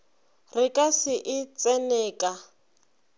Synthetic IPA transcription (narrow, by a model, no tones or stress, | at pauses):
rɪkʼasɪʔɪt͡sʼɛnɛːkʼa